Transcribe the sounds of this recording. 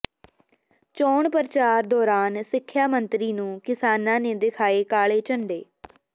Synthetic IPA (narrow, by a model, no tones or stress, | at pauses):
t͡ʃɔːɳpəɾt͡ʃaːɾd̪ɔːɾaːnsɪkʰːjaːmənt̪ɾiːnũːkɪsaːnãːneːd̪ɪkʰaːeːkaːɭeːt͡ʃəɳɖeː